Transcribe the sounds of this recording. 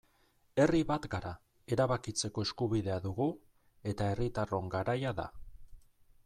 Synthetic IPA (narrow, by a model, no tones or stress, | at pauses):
e̞riβat̪ɡaɾa | e̞ɾaβakit͡se̞ko̞e̞skuβiðe̞aðuɣu | e̞t̪ae̞rit̪aro̞ŋɡaɾajaða̰